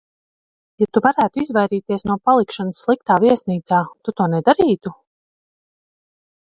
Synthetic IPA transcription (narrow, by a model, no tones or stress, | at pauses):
jat̪uvaɾæːt̪uizvajɾiːt̪iɛsnuɔpalˠikʃanəsːlˠik̚t̪aːviɛsniːt̪saːt̪ut̪uɔnɛd̪aɾiːt̪u